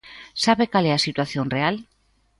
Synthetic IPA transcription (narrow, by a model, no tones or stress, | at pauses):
saβekaleasit̪waθjonreal